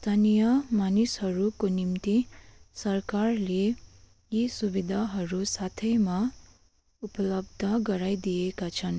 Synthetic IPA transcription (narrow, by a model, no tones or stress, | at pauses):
st̪ʰanijʌmanishʌɾukonimt̪isʌrkarle | jisubid̪ʱaɦʌɾusat̪ʰʌjma | upʌlʌbd̪ʱʌɡʌɾajd̪ijekat͡sʰʌn